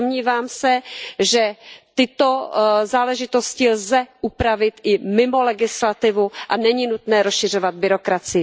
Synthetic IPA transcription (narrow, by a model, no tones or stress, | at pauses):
omɲiːvaːmsɛʒɛt̪ɪt̪o̞zaːlɛʒɪt̪o̞scɪlzɛʔupɾavɪt̪ʔɪmɪmo̞lɛɡɪslat̪ɪvuʔanɛɲinut̪nɛːɾosʃɪr̝o̞vad̪̚bɪɾo̞kɾat͡sɪɪ